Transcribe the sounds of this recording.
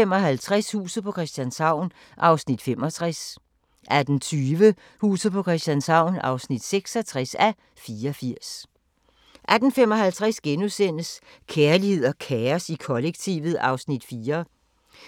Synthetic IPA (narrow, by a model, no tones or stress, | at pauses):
emɒ̽ɦælt͡sʰʁashṵːsð̩ˠpʰɒ̽kʰʁɛsd̥ænsɑ̈ʊ̰n | ʔɑ̈ʊsnid̥fem̰ɒ̽t͡sʰʁas | ʔæd̥n̩t͡sʰyːʋə | hṵːsð̩ˠpʰɒ̽kʰʁɛsd̥ænsɑ̈ʊ̰nɑ̈ʊsnid̥seɡ̥sɒt͡sʰʁasæ | fiːɐɒfiɐ̰s | ʔæd̥n̩femɒ̽ɦælt͡sʰʁasɡ̥enusen̰əs | kʰeːɐlihe̝ð̞̰ˠɐkʰeːɐsikʰɒ̽leɡ̥̚t͡sʰḭʋð̞̩ˠɑ̈ʊsnid̥fiːɐ